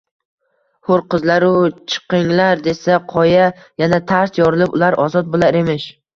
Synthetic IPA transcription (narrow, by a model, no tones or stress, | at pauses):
hoɾqɨzlaɾʊt͡ʃʰɨ̥qɨŋlaɾd̪e̞saqʰɒja | janat̪ʰaɾsjɒɾɨlˠɪpʊ̰laɾʔɒzɒt̪̚bolˠaɾemɪʃ